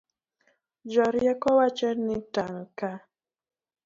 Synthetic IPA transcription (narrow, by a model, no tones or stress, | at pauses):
d͡ʒɔɾjɛkɔwat͡ʃɛnitaŋka